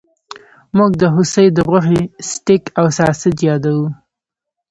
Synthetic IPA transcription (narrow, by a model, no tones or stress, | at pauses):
muɡ̚d̪əɦʊsəjd̪əʁʊxesʈɪkawsɑsɪd͡ʒ̪jɑd̪awu